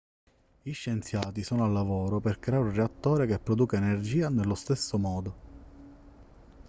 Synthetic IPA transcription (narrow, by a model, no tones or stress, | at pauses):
iʃːent̪sjaːt̪isoːnoalːavoːɾoperkɾeaɾunreat̪ːoːɾekepːɾod̪uːkaenerd͡ʒiːanelːost̪esːomɔːd̪o